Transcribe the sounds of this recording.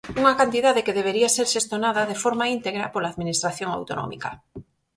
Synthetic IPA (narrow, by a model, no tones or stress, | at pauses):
uŋakant̪iðaðekeðeβeɾiaseɾʃest̪onaðaðefoɾmaint̪eɣɾapolaːðminist̪ɾaθjoŋa̰wt̪onɔ̰mḭka